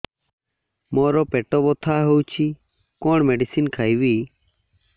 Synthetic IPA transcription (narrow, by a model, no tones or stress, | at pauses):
mɔɾɔpɛʈɔbɔt̪ʰaɦowt͡ʃʰi | kɔɳmɛɖisinkʰajwi